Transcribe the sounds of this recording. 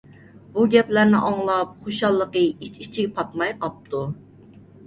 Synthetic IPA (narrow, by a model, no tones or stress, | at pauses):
buɡʲɛplæɾnɪʔɑŋlˠɑp̚χoʃɑlˠːəqəit͡ʃit͡ʃʰiɡʲpʰɑt̪mɑjqɑp̚t̪ʰu